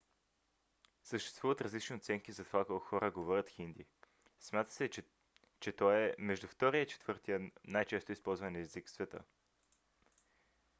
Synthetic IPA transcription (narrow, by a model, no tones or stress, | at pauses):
səʃt̪ɛ̥st̪vuvət̪ɾɐzlit͡ʃniot̪sɛŋkizɐt̪ovakokxɔɾʔəɡovɔɾʲət̪xind̪i | smʲjat̪ə̥sɛ | t͡ʃɛt̪ɔɛmɛʒd̪uft̪ɔɾiəit͡ʃɛ̥t̪vɤɾt̪iənajt͡ʃɛst̪ʊispɔlˠzvənɛziksvɛt̪ə̰